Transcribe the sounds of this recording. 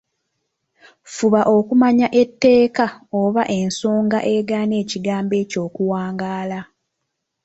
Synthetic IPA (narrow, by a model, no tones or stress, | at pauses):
fuβaʔo̞kumaɲaʔe̞tːe̞ːkaoβaʔe̞nso̞ːŋɡaʔe̞ɡaːne̞ːciɡaːmbe̞ːco̞ːkuwaːŋɡaːla